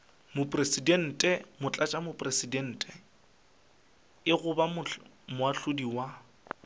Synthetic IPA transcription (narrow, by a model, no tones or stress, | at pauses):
mʊpʼresidɛn̩tʼɛmʊt͡ɬʼat͡ʃʼamʊpʼresidɛn̩ːtʼɛ | ɪɣʊbamʊ | mʊaɬʊdiwa